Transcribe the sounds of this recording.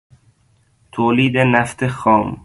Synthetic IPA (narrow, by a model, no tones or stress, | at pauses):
t̪ʰoːliːd̪enæft̪exɒːm